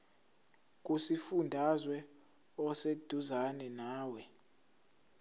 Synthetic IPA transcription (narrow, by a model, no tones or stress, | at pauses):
k̬ʼusifundʱazwɛ | ɔsed̥ʱuzanɛnaːwɛ